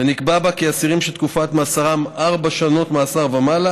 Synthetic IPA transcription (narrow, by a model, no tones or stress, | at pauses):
enikbabakeasiʁimʃelt̪kufatmaːsaʁamaʁbaʃano̞tmaːsaʁvamala